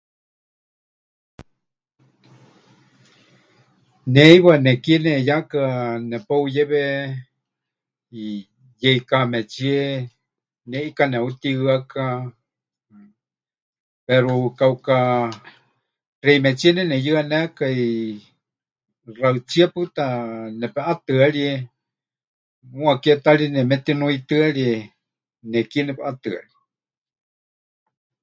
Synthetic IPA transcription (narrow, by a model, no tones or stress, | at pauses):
nẽjβanekienẽjakanɛpaujeβe | i | jeikamẽt͡ʃie | nẽʔikanɛ̃ut̪iɨaka | pɛɾukauka | rɛimɛt͡ʃiɛnɛnɛjɨanɛkai | raɨt͡siapɨt̪anɛpɛʔat̪ɨaɺiɛ | mũakiɛt̪aɺiɛnɛmɛt̪inuit̪ɨaɺiɛ | nɛkiɛnɛpɛʔat̪ɨa̰ɺi